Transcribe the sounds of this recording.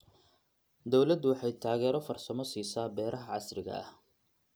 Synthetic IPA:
d̪ɔwlɐd̪ʊwɑħɑjt̪ʰaːɣɛːɾɔfɐrsɐmɔsiːsaːbɛːɾʔɐɦɐʕɑsrɪɣɐ̰ʔɐ̰h

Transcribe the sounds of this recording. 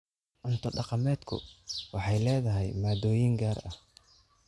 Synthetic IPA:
ʔʊnt̪ʰɔɖɑqɑmɛːd̪kʰʊ̰wɑħɑjlɛːðɐɦɛjmaːd̪ɔːjɪŋɡaːrɐ̰h

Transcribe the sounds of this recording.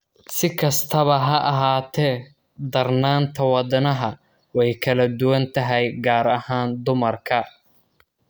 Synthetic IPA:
sɪkʰɐst̪ʰɐβɐɦɐʔɐɦaːt̪ʰɛː | d̪ɐrnaːnt̪ʰɐwɑd̪ɐnɐɦɐ | wɛjkʰɐlɐd̪ʊwɐnt̪ʰɐɦɛjɡaːɾɐhaːnd̪ʊmɐrkʰɐ

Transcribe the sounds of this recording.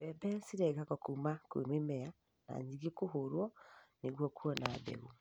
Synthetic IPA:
bɛbɛsiɾɛɣakɔkumakwḛmwemɛja | na̰ɲiɣekoɦoɾwɔneɣwɔkuɔnabɛ̰ɣu

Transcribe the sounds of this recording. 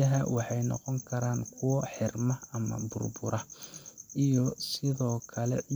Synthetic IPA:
ɐɦɐwɑħɑjnɔ̰qɔŋkʰɐɾaːŋkʰʊwɔħɪrmɐɐmɐ̰bʊ̰rbʊɾʔɐ | ʔijɔsɪðɔːkʰɐlɛ̰

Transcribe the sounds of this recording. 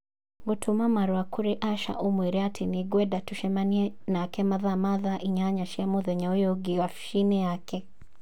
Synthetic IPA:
ŋɡutʰumamaɾwakuɾiʔaʃa̰ʔumwiɾiatʰiniɡwɛdatuʃɛmaniɛ | nakɛmaðamaðaʔiɲaɲaʃɛmɔðɛɲaɔjɔɡiwafʃinɛjakɛ

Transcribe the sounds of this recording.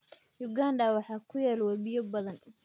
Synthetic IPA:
jʊɡaːnɖɐwɑħɑːkʰʊjɛːlwɑbɪjɔbɐðɐn

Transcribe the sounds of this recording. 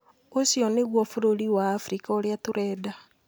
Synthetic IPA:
osjɔneɣwɔfoɾoɾiwaːfɾikaoɾeatoɾɛːda

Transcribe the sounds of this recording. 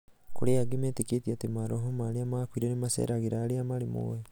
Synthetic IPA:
koɾeaɡemɛteketiatemaɾɔɦomaːɾeamaːkwiɾɛnemasɛ̰ɾaɣeɾaːɾeamaɾemo̰ɛ

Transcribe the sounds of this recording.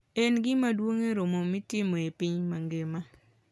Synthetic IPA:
ɛnɡɪmadwoŋeɾomomitɪmoepɪɲmaŋɡema

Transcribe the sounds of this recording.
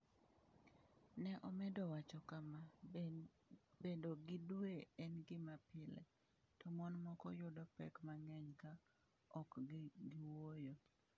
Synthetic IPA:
nɛʔɔmɛdɔwat͡ʃɔkama | bedoɡɪdweɛnɡɪmapɪlɛ̰ | tɔmɔnmɔkɔjʊdɔpɛkmaŋɛɲka | ɔkɡɪwojo

